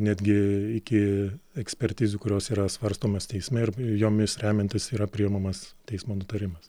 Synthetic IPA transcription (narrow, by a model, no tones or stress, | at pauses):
nʲæːd̪ʲɡʲɪɪkʲɪɛksʲpʲɛɾʲt̪ʲiːzʲʊkʊɾʲoːsiːɾɐsʋɐɾst̪oːmoːst̪ʲɛɪsʲmʲɛɪrjoːmʲɪsɾʲæːmʲɛnʲt̪ʲɪsiːɾɐpʲɾʲɪɪmɐmɐst̪ʲɛɪsmoːnʊt̪ɐɾʲɪmɐs